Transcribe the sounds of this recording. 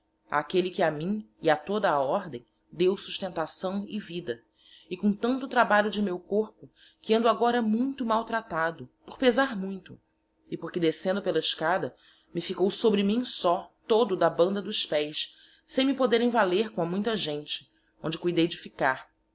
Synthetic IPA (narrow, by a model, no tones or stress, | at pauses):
a̰kelɪkɪamĩɪat̪od̪ɐːɔɾd̪ḛ̃j̃ | d̪ewsuʃt̪ẽnt̪asɐ̃w̃ɪvid̪ɐ | ɪkõt̪ɐ̃nt̪ʊt̪ɾabaʎʊd͡ʒɪmewkoɾpʊ | kɪẽnd̪ʊaɡɔɾɐmũj̃t̪ʊmawt̪ɾat̪ad̪ʊpoɾpezaɾmũj̃t̪ʊ | ɪpoɾkɪd̪esẽnd̪ʊpelɐɪʃkad̪ɐ | mɪfikowsobɾɪmĩsɔt̪od̪ʊd̪ɐbɐ̃nd̪ɐd̪ʊʃpɛjs | sẽj̃mɪpod̪eɾẽj̃valeɾkõɐmũj̃t̪ɐʒẽnt͡ʃɪ̥ | õnd͡ʒɪkujd̪ejd͡ʒɪfikaɾ